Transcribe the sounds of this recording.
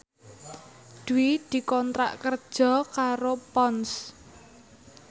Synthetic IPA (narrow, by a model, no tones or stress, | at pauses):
d̪̥uwid̪̥i̤kɔnt̪ɾa̰ʔkərd̥ʒ̥ɔ̤kaɾopɔns